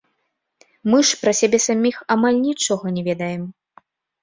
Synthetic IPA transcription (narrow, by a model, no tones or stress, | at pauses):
mɨʂpɾɐsʲabʲɛsamʲixamalʲnʲit͡ʂɔɣɐnʲɛvʲɛd̪ɐjɛm